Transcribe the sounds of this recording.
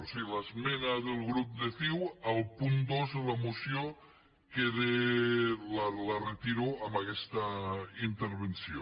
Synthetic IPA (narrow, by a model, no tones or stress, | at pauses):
silazmenaðelˠɣɾup̚d̪eθiwalˠpund̪ozðelamusjo | keðe | lalaret̪iɾoamakɛst̪aint̪eɾβ̞ensjo